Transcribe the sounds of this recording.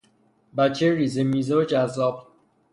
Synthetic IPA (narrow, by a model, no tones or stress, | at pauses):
bæt͡ʃʰːeriːzemiːzeod͡ʒæzːɒːb̥